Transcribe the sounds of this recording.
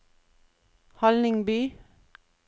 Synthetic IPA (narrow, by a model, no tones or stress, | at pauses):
hɔlnɪŋbiː